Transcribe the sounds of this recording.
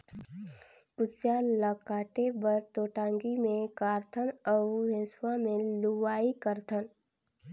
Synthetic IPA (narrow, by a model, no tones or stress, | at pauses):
kʊsjaləkaːʈebəɾt̪oːʈãːŋɡimẽkaːɾt̪ʰənəɦeswamẽluwaːikəɾt̪ʰən